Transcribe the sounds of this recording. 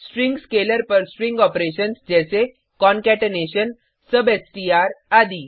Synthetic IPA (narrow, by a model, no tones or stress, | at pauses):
sʈɾĩŋɡskeləɾpəɾsʈɾĩŋɡɔpɾeɕənsd͡ʑɛse | kɔ̃nkɛʈneɕən | səbesʈiaɾad̪iː